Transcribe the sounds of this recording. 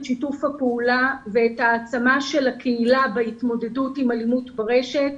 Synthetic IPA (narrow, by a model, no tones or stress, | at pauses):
ʃitufhapeulaveːtaːt͡samaʃe̞lakʰeilabeitmo̞de̞dutimalimutbeʁe̞ʃe̞t